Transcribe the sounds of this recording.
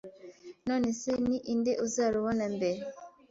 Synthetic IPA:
no̞ːne̞seniʔindeʔuzaːɾuβonambeɾe

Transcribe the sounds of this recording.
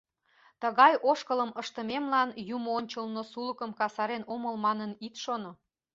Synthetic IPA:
t̪əɣɑjoʃkələməʃt̪əmemlɑnjumoonʲt͡ɕəlnosuləkəmkɑsɑɾenoməlmɑnənit̪ʃono

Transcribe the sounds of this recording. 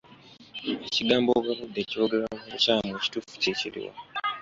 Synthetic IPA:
eciɡaːmboβaβudːe̞ːciβoɡɾamucaːmweci̥tufu̥ceciɾḭwa̰

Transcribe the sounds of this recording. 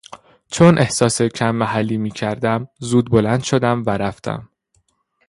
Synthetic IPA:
t͡ʃʰonʔe̞hsɒːsecʰæmːæɦælːiːmiːcʰæɾd̪æmzuːd̪̚bolænd̪ʃod̪æmvæɾæft̪ʰæ̰m

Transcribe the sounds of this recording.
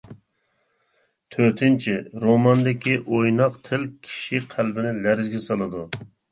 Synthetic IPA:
t̪ʰøt̪ʰɪnt͡ʃʰiɾomɑnd̪ɪkʲiʔojnɑqt̪ʰɪlkʲʰi̥ʃiqʰælbɪnɪlæɾɪzɡʲɛsɑlˠɨd̪u

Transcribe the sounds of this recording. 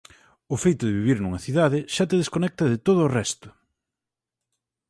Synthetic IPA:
ʊfejt̪ʊðeβiβiɾnuŋɐθiðaðɪʃat̪eðeskonɛk̚t̪ɐðɪt̪oð̞ʊːrɛst̪ʊ̥

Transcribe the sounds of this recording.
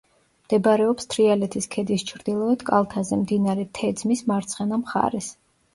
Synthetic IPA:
md̪̥ɛbɾɛɔpst̪ʰɾialɛt̪ʰiskʰɛd̪ist͡ʃʰɾd̪ilˠɔɛd̪kʼa̰lˠt̪ʰazɛmd̪inaɾɛt̪ʰɛd̪zmismaɾt̪sʰχɛnamχa̰ɾɛs

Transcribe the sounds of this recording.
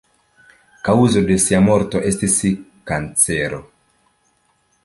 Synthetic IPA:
kauzo̞de̞siamo̞ɾto̞ʔe̞stisikant͡seɾo̰

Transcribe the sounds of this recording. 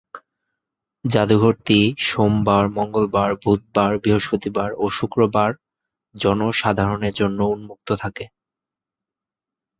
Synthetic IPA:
d͡ʑad̪uɡʱoɾt̪iʃombaɾmɔŋɡolbaɾbʱut̪̚baɾbɾiɦoʃpot̪ibaɾoʃukɾobaɾ | d͡ʑɔnoʃad̪ʱaɾoneɾd͡ʑonːounmuk̚t̪ot̪ʰake

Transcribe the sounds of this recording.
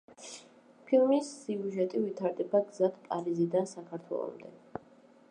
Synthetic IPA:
pʰilˠmisːiuʒɛt̪ʼivit̪ʰaɾd̪ɛbaɡzat̪ʰpʼaɾizid̪ansakʰaɾt̪ʰwɛ̰lˠɔ̰md̪ɛ

